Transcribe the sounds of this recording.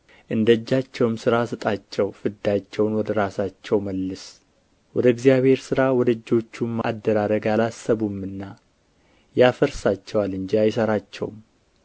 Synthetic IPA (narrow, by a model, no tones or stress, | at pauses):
ʔɨnd̪əd͡ʒːat͡ʃːɛwɨmsɨɾasɨt̪ʼat͡ʃːɛwfɨd̪ːat͡ʃːɛwnwɔd̪əɾasat͡ʃːɛwməlːɨs | wɔd̪əɪɡzijaβhe̞ɾsɨɾawɔd̪əd͡ʒːo̞t͡ʃːumːad̪ːəɾaɾəɡalasːəβumːɨnːa | jafəɾsat͡ʃːɛwalɨɲd͡ʒiajsəɾat͡ʃːɛ̰wm